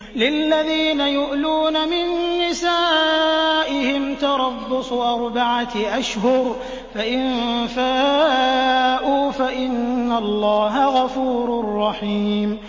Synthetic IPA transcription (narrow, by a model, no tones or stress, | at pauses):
lɪlːaðiːnajʊʔluːnamɪnːɪsaː | ʔɪhɪmt̪ɑɾˤɑbːʊsˤʊʔɑɾˤbaʕaʔaʃhʊɾ | faʔɪnfaː | ʔuːfaʔɪnːalˤːɑːɦaɣɑfuːɾʊrˤːɑħiːm